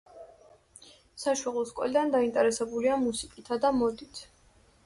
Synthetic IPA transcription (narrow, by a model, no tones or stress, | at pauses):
saʃwalˠɔskʼɔ̰lid̪and̪aint̪ʼɛɾɛsɛbuliamusikʼit̪ʰad̪amɔd̪it̪ʰ